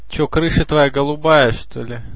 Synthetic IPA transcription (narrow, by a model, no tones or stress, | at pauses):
t͡ɕokɾɨʂɨt̪vɐjaɡəlˠʊbajəʂt̪olʲɪ